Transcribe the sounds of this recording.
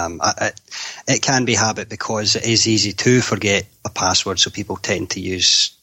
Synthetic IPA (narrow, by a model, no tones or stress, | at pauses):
mə̰ʔɪɪʔkʰə̃nbiɦabɪʔ̚b̥ɪkʰɔzɪʔɪzizitʰəfə˞ɡɛʔəpʰaswə˞d̥sopʰipl̩ˠtʰɛ̃ntʰəjʉːz̥